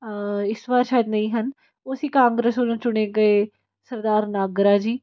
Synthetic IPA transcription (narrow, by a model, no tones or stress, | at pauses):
ɪsʋaːɾʃaːjəd̪nəĩːɦən | ʊsiːkãːŋɡɾəsolũːt͡ʃʊɽ̃eːɡəeː | səɾd̪aːɾnaːɡɾaːd͡ʒiː